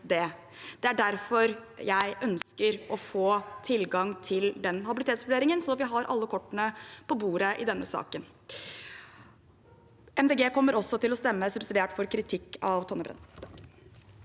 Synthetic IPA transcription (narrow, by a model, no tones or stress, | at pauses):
d̪ɛ | d̪̥ɛæɖæɾfɔɾjæɪʔœnskəɾʔɔfoːt̪ʰɪlɡɑŋt̪ʰɪld̪ɛnɦɑbɪlɪt̪eːt̪sʋʉɖeːɾɪŋənsɔʋɪɦɑɾʔɑ̰lːəkʰɔʈːəɳəpʰɔbuːɾəʔɪd̪ɛnːəsɑ̰ːkən | ɛmd̪eːɡeːkʰɔmːəɾɔsɔt̪ɪlɔst̪ɛmːəsʉbsɪd̪eːʈfɔɾkʰɾɪt̪ʰɪkːɑʋt̪ʰɔnəbɾɛ̰nː